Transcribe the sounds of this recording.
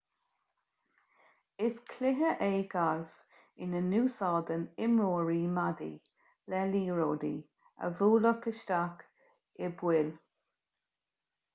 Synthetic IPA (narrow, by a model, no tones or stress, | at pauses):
ɪskʰlɪɦəʔeːɡalf | ɪnənuːsɔːd̪ənɪmɹoːɹiːmad̪ḭ | lɛliːɹoːd̪ḭ | ə̰vuːləkəʃt̪ak | ɪbwɪl